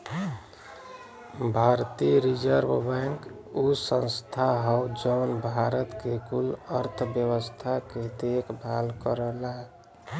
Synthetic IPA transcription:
bʱaɾt̪iɾid͡ʒəɾbbɛŋk | usə̃nst̪ʰaɦawd͡ʒɔnbʱaɾət̪kekuləɾt̪ʰbjəwəst̪ʰaked̪ekbʱalkəɾəla

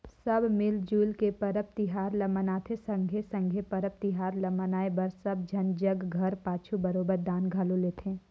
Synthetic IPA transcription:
sɐbmɪld͡ʒuːlkepɐɾəp̚t̪iɦaːɾlɐmənaːt̪ʰesɐ̃ŋɡʱesə̃ŋɡʱepɐɾəp̚t̪iɦaːɾlɐmənaːebɐɾsɐb̚d͡ʒʱɐnd͡ʒəɡɡʱɐɾpaːt͡ʃʰubɐɾoːbəɾd̪aːnɡʱaloleːt̪ʰẽː

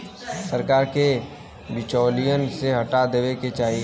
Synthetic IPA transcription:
səɾkaːɾke | bɪt͡ʃɔːlijənseɦɐʈad̪eʋeket͡ʃaːɦie

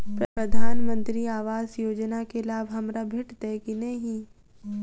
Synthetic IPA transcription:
pɾpɾəd̪ʱaːnmə̃nt̪ɾiaːʋaːzjoːd͡ʒnakelaːbʱɦɐmɾabʱeʈt̪ekinɐɦĩ

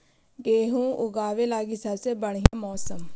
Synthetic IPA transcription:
ɡeːɦũːʔʊɡaːʋeːlaːɡiːsəseːbəɳiːãːmɔːsəm

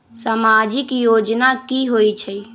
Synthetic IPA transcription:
samad͡ʒikjod͡ʒnakiɦojt͡ʃʰəj

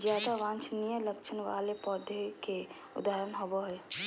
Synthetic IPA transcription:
zjaːd̪aʋãːnt͡ʃnijələkt͡ʃʰənʋa̰ːlepɔːd̪eke | ʊ̰d̪aɦːɾənɦɔboɦɛː

